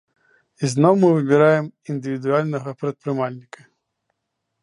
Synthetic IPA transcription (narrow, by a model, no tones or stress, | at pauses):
iznɔwmɨvɨbʲɛɾajɛmind̪ɨvʲid̪ualʲnɐɣɐpɾɐt̪̚pɾɨmalʲnʲikɐ